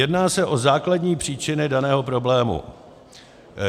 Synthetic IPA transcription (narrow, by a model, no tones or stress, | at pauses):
jɛdnaːsɛʔo̞zaːkladɲiːpr̝̥iːt͡ʃɪnɪdanɛːɦo̞pɾo̞blɛːmṵ